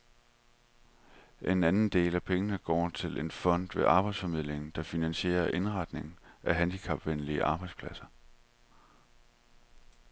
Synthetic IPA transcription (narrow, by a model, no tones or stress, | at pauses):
ʔe̝nænn̩d̥e̝̰ːlæpʰeŋənəɡ̥ɒ̰ːt͡sʰe̝lʔe̝nfɒ̽n̰d̥ʋe̝ʔɑ̈ːb̥ɑ̈ɪ̥sfɒ̽mið̞̰ˠle̝ŋn̩d̥ɑ̈finænɕe̝̰ːɐʔe̝nʁɑ̈d̥ne̝ŋn̩ʔæɦænd̥ikʰɑ̈b̥ʋenliəʔɑ̈ːb̥ɑ̈ɪ̥spʰlæsɐ